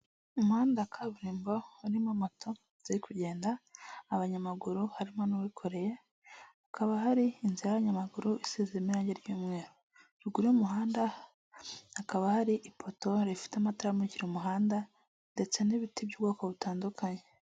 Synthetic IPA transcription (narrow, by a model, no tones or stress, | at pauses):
umuhaːndakʰaβuɾiːmbouɾimamatʰo | z̥iɾikʰuɟe̞ːndaːβaɲamaɡuɾuhaɾimanuwikʰo̞ɾe̞je̞ | akʰaβaɦaɾiːnziajaβaɲamaɡuɾuisizimiɾaːɲɟeɾɟuːmŋe̞ːɾo | ɾuɡuɾujumuɦaːnda | hakaβahaɾiʔipʰo̞to̞ɾifi̥teamataɾamuciɾumuɦaːnda | nde̞t͡se̞niβitibɟuːbɡoːkoβutaːndukʰaɲe̞